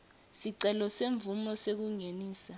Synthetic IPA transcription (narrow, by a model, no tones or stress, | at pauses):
siǀɛlɔseɱbvumɔsek̬uŋeniːsa